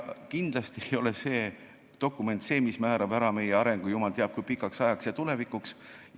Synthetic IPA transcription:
kind̪̥lɑst̪iejo̞le̞se̞ː | t̪o̞kːˑume̞nt̪se̞ːmismæːɾɑbæɾɑme̞jeɑɾe̞ŋɡ̥ujumɑlt̪eɑb̥̚kujpikˑːɑksɑjɑksjɑt̪ule̞vikuks

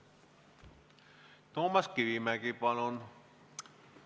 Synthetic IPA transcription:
t̪omɑskiʋimækipɑnon

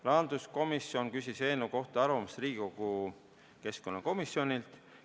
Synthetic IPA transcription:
lɑːnd̪usko̞misjo̞nkysʲise̞ːnːuko̞ht̪ɑɑɾvɑmɑsriːɡikoɡ̥u | ke̞sko̞nːɑko̞misːjo̞nʲilt̪

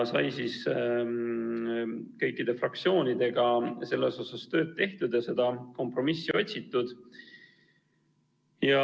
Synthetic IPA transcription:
sɑjsiːs | kɤjkːˑid̪̥e̞frɑk̚t̪sio̞ːnid̪e̞ɡ̥ɑse̞lːe̞so̞sɑst̪ø̞ːd̪̥̚t̪e̞ht̪ud̪̥ɑse̞d̪̥ɑko̞mpro̞misːiʔo̞t̪ʲsit̪ˑːud̪̥ | jɑ

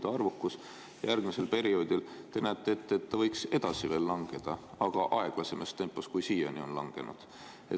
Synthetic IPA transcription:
d̪̥ɑɑrvukːˑus | jɑjærɡ̥mise̞lpe̞ɾio̞ːd̪ilt̪e̞næːt̪ːˑeːt̪ːet̪ːɑvɤjkse̞d̪̥ɑsive̞ːlːɑŋɡ̥e̞d̪̥ɑɑɡ̥ɑʔɑe̞ɡ̥lɑse̞mest̪e̞mpːˑoskujsiːjḛnio̞nlɑŋɡ̥e̞̰nṵd̪̥ | e

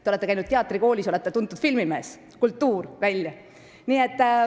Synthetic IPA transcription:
t̪eole̞t̪ːeæjnud̪̚t̪eɑt̪ːˑriko̞ːlʲiso̞le̞t̪ːet̪und̪ˑud̪̥filmime̞ːs | kult̪ːuːrvælʲjɑ | niːet̪ː

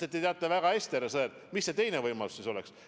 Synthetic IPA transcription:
et̪ːˑit̪eɑt̪ːˑevæɡ̥ɑe̞st̪æɾesɤːt̪ | misːe̞t̪e̞jnevɤjmɑlu̥sːiso̞lɛks

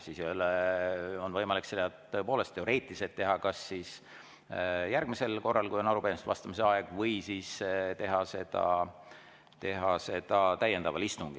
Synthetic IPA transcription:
sisjoleonvɤjmɑlikselːɑt̪ːɤ̞e̞po̞ːle̞st̪ːˑeo̞ɾe̞ːt̪ˑliset̪ːe̞ɦɑkɑsːis | jærɡ̥̚mise̞lko̞rːɑlkujonɑɾupemist̪vɑst̪ɑmiseɑeɡ̥vɤjsiːst̪eɦɑse̞d̪̥ɑ̰ | t̪e̞ɦɑse̞d̪̥ɑt̪æje̞nd̪ɑvɑ̰list̪uŋɡ̥i

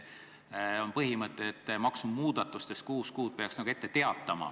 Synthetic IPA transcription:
o̞npɤɦimɤt̪ːˑeet̪ːˑmɑksummuːd̪̥ɑt̪ːˑust̪est̪̚kuːskuːd̪̥̚pe̞ɑksnɑɡ̥ue̞t̪ːet̪e̞ɑt̪ːˑɑmɑ̰

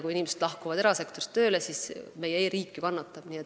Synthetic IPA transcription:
kuinʲimesed̪̥lɑhkuvɑd̪e̞ɾɑse̞kt̪oɾt̪ːø̞ːlesisme̞jeeɾiːkːˑikɑnːɑt̪ːˑɑb̥niːet̪ː

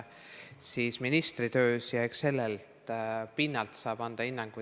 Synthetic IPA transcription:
siːsminist̪rit̪ø̞ːsjɑekse̞lːelt̪pinːɑlt̪sɑːb̥ɑnd̪̥ɑinːɑŋɡ̥u

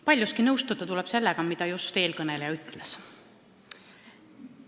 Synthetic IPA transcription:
pɑlʲjuskinɤwst̪ud̪ɑt̪ulɛb̥se̞lːɛɡ̥ɑmid̪̥ɑjust̪e̞ːlkɤne̞lejɑyt̪ˑles

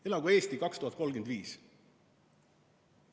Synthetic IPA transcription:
elɑɡue̞ːst̪ikɑkst̪uhɑt̪ko̞lɡ̥end̪viːs

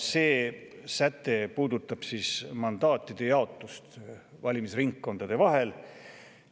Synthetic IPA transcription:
se̞ː | sæt̪ːˑe̞puːd̪ut̪ːˑɑb̥siːsmɑnd̪̥ɑːt̪ːˑid̪̥e̞jɑo̞t̪ːˑust̪ | vɑlʲimisriŋkːo̞nd̪̥ɑd̪̥e̞vɑɦe̞l

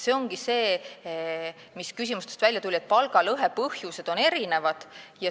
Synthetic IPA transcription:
se̞o̞ŋɡ̥ise̞ː | miskys̬imust̪est̪vælʲjɑt̪ulʲie̞t̪̚pɑlɡ̥ɑlɤɦe̞pɤhjuse̞d̪̥o̞ne̞ɾine̞vɑd̪̥jɑ

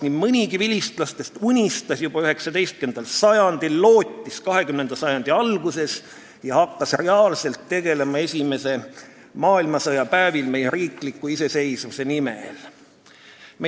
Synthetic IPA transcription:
nim̥mɨnʲiɡivilʲist̪lɑst̪e̞st̪unʲist̪ɑsjub̥ɑyhe̞ksɑd̪e̞jst̪̚kend̪̥ɑlsɑjɑnd̪̥ilːo̞ːt̪ʲˑːiskɑɦe̞kymne̞nd̪̥ɑsɑjɑnd̪̥iɑlɡ̥use̞s | jɑhɑkːɑsre̞ɑːlse̞lt̪ːe̞ɡ̥e̞le̞mɑe̞sʲime̞se̞ | mɑːilmɑsɤjɑpæːvilme̞jeɾiːklikːˑuisese̞jsvuse̞nimḛl | me

